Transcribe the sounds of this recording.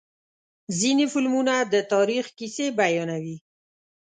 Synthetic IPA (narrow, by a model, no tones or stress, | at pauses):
zinifɪlmunad̪ət̪ɑɾixkisebajɑnawi